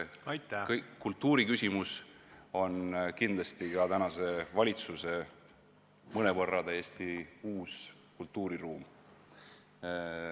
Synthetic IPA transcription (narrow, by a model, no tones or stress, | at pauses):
kkːult̪ːuːɾikysʲimuso̞nkind̪lɑst̪ikɑt̪ænɑse̞vɑlʲit̪suse̞ | mɤne̞vɤrːɑt̪æjesʲt̪iuːs | kult̪ːˑuːɾiruːm